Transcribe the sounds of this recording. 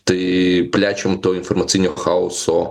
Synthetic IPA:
t̪ɪplʲat͡ʃomt̪ɔɦɔinfɔrmɐt̪ijnʲɔɔxaʊsɔ

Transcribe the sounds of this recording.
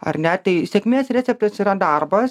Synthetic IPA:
ɐ̰ɾnʲɛt̪ɐɪsʲɛkʲmʲeːsɾʲɛt͡sʲɛp̚t̪ʲɐsiɾɐd̪arbɐs

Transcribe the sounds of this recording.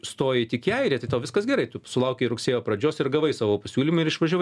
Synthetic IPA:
st̪oːjɛt̪ʲɪkʲiɛɪɾʲeːt̪ɐɪt̪ɐːʋʲɪskɐsɡʲɛɾɐɪt̪ʊsʊlˠɐʊkʲɛɪɾʊksʲeːjoːpɾɐd͡ʒʲoːsɪrɡɐʋɐɪsɑːʋoːpɐsʲuːlʲiːmʊɪɾɪʃʋɐʒʲoːʋɪ

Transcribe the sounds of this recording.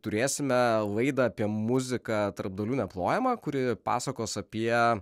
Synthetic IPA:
t̪ʊɾʲeːsʲɪmʲɛlˠɐɪd̪ɐɐpʲiɛmʊzʲɪkɐt̪ɐɾb̚d̪ɐlʲuːnʲɛplˠoːjɛmɑkʊɾʲɪpɑ̰ːsɐkoːsɐpʲiɛ

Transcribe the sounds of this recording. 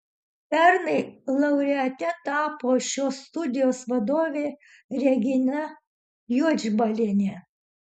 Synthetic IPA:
pʲɛɾnɐɪlˠɐʊɾʲɛɐt̪ʲɛt̪ɑːpoːʃʲoːst̪ʊd̪ʲɪjoːsʋɐd̪oːʋʲeː | ɾʲɛɡʲɪnʲɐ | juɔd͡ʒʲbɐlʲenʲɛ

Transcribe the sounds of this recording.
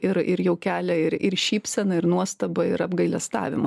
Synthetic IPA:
ɪɾɪɾjɛʊkʲæːlʲɛɪɾɪrʃʲiːpʲsʲɛnɐɪɾnuɔst̪ɐbɐɪɾɐbɡɐɪlʲɛst̪ɑ̰ːʋʲɪ̰mɐ

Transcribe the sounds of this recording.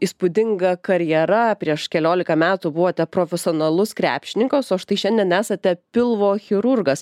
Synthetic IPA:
iːspʊd̪ʲɪŋɡɐkɐɾʲjɛɾɐpʲɾʲiɛʃkʲɛlʲoːlʲɪkɐmʲæːt̪ubʊʋoːt̪ʲɛpɾoːfʲɛsʲoːnɐlˠʊskɾʲæ̰ːpʲʃʲɪnʲɪŋkoːsoɐʃt̪ɐɪʃʲɛnʲd̪ʲiɛnæːsɐt̪ʲɛpʲɪlˠʋoːxʲɪɾʊrɡɐs

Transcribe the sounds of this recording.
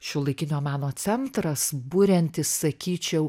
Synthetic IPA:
ʃʲʊlˠɐɪkʲɪnʲoːmɑːnoːt͡s̪ʲɛnt̪ɾɐsbʊɾʲɛnʲt̪ʲɪssɐkʲiːt͡ʃʲɛʊ

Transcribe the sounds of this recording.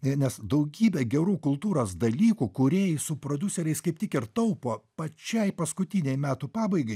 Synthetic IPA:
nʲɛsd̪ɐʊɡʲiːbʲɛɡʲɛɾuːkʊlˠt̪uːɾoːsd̪ɐlʲiːkuːkʊɾʲeːjɪsʊpɾoːd̪ʲʊsʲɛɾʲɛɪskɐɪptʲɪkɪɾt̪ɐʊpoːpɐt͡ʃʲɛɪpɐskʊt̪ʲɪnʲɛɪmʲæːt̪upɑːbɐɪɡɐɪ

